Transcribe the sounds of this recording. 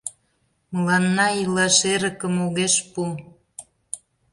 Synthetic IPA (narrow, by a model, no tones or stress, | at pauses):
məlɑnːɑilɑʃeɾə̆kə̆moɣeʃpu